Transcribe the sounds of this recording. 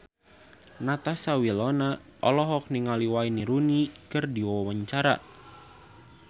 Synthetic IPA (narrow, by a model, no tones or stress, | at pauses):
nat̪asawilɔna | ʔɔlɔɦɔk̚niŋaliwainiɾunikɨrdiwawaɲt͡ʃaɾa̰